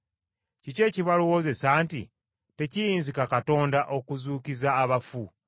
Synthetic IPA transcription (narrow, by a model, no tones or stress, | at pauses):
cice̞ːciβaluwoze̞saːntḭ | te̞cijiːnzikakato̞ːndaʔokuzuːkizaːβafu